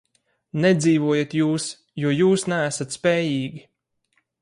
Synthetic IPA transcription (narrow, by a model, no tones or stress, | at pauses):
nɛd̪ziːvuɔjat̪juːs | juɔjuːsnæːsat̪spɛːjiːɡʲi